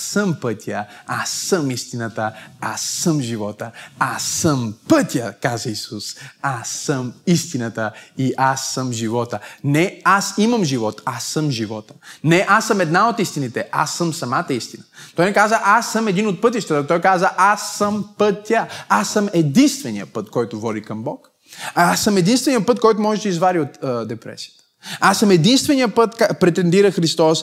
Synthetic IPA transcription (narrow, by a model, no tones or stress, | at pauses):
səmpət̪ʲəasːəmist̪inət̪əa̰sːəmʒivɔt̪əasːəmpət̪ʲjəkazəisusasːəmist̪inət̪əiʔasːəmʒivɔt̪ənɛasimɐmʒivɔt̪asəmʒivɔt̪ə̥nɛʔasɐmɛd̪naot̪ist̪init̪ɛʔa̰sːəmsɐmat̪əist̪inət̪ɔjnɛkazəʔasːəmɛd̪inot̪̚pɤt̪iʃt̪ɛt̪ət̪ɔjkazəʔasːəmpɤt̪ʲːəasːəmɛd̪inst̪vɛnḭjə̰pət̪kɔjt̪ʊvɔɾikɐmbɔk | asːəmɛd̪inst̪vɛnijəpɤt̪̚kɔjt̪ʊmɔʒɛd̪əizvaɾiot̪d̪ɛpɾɛ̰si̥ə̥t̪ə̥asəmɛd̪inst̪vɛnijəpɤt̪kapɾɛt̪ɛnd̪iɾəxɾist̪ɔs